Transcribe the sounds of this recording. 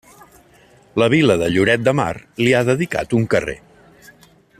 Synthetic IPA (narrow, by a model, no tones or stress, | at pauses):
ləβ̞iləðəʎuɾɛt̪̚d̪əma̰rliaðəðika̰t̪uŋkərḛ